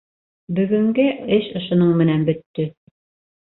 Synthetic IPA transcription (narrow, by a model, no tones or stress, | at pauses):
bɵ̆ɡɵ̆ŋɡɘɘʃŏʃŏnɤɴmɘ̆nænbɵ̆t̪ːɵ